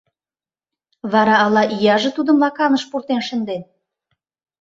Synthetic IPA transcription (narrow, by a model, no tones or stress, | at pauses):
βɑɾɑːlɑʔijɑʒĕt̪ud̪ə̆mlɑkɑnəʃpurt̪enʃə̆nd̪en